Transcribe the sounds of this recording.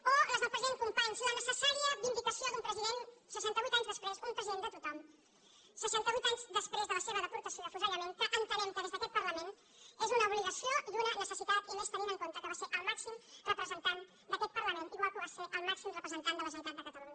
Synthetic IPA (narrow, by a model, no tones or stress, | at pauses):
oləzəpɾəzieŋkumpaɲsunənəsəsaɾiəd̪imb̪it̪əsioðumpɾəziðensəʃant̪əβwit̪aɲzðəspɾezumpɾəziðend̪ət̪ut̪am | səʃant̪əβwit̪aɲzd̪əspɾezðələseβəðəpuɾt̪əsjoəfuʒaləmẽnkəʔənt̪əlent̪əðezðət̪ɔt̪̚pəɾləmen | ezunəuβliɣəsiod̪unənəsəsit̪at̪inost̪əninəŋkont̪əkəβaseɾʔəlˠmaksimrəpɾəzənt̪an | d̪ət̪ɔt̪̚pərɾləmẽniβakəβaseʔəlˠmaksimrəpɾəzənt̪and̪ələʒunt̪at̪d̪əkət̪əluɲə